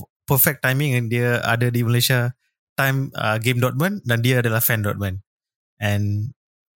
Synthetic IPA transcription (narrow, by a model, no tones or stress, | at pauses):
pəfɛk̚tːãjmĩŋɛ̃ndiəa̰dədiməleʃa | tãjmə̰ɡẽmdɔt̚mə̃ndãndiəadəlafɛ̃ndɔ̰t̚mə̃n | ɛ̃n